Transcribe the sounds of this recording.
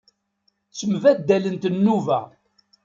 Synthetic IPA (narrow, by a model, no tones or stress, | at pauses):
t͡sːəmvæd̪ːælənt̪ənːuvæ̰